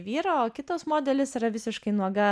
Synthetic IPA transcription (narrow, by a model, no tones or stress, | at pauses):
ʋʲiːɾoːoːkʲɪt̪oːsmoːd̪ʲɛlʲɪsiɾɐʋʲɪsʲɪʃkɐɪnuɔɡɐ